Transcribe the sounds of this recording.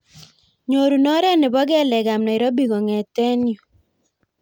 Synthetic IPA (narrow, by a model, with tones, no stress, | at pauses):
ɲo˨ɾu˨nɔ˦ɾɛ˦nɪ˨bɔ˦ɡɛ˦˨lɛ˨ɡa˨mnɔ˨ɪ˨ɾɔ˦bi˨ɡɔ˨ŋɛ˨tɛ˦njo˨